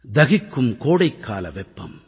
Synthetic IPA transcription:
d̪ɐɣɪkːɯmkoːɽɐɪkːaːlɐʋɛpːɐ̰m

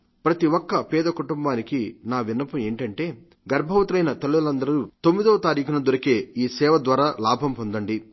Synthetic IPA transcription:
pɾɐt̪iwɔkːɐpɛːd̪ɐkuʈumbaːnikinaːʋinːɐpɐme̞ːɳʈɐɳʈe̞ː | ɡɐɾbʱɐʋɐt̪ɾɐjnɐt̪ɐlːulɐnd̪ɐɾut̪omːid̪oːɐt̪aːɾiːkʰɐnɐd̪uɾɐke̞ːiːsɛːʋɐd̪ʋaːɾaːlaːbʱɐmpond̪ɐɳɖi

